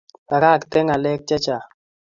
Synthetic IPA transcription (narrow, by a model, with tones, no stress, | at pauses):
a˨ka˦˨kt̪ɛ˦ŋa˨lɛ˦k̚t͡ʃa˦t͡ʃa˨